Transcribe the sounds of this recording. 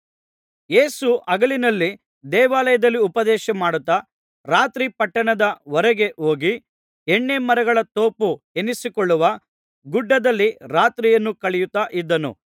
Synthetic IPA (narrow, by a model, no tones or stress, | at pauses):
jeːsuʔɐɡɐɭinɐlːi | d̪ɛːʋaːlɐjɐd̪ɐlːiupɐd̪ɛːʃɐmaːɽut̪ːɐ | ɾaːt̪ɾipɐʈːɐɳɐd̪ɐʋɔɾɐɡe̞ʔo̞ːɡi | ɛɳːemɐɾɐɡɐɭɐt̪o̞ːpu | enisikɔɭːuʋɐ | ɡuɖːɐd̪ɐlːiɾaːt̪ɾijɐnːukɐɭɛjut̪ːaːʔid̪ːɐnṵ